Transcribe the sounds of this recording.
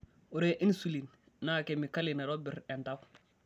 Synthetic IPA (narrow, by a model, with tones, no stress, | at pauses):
u˨ɾe˨ʔi˦n˦su˦li˨n | na˦˨ke˨mi˨ka˦li˨na˨ɾo˦bi˨ɾe˨nta˦w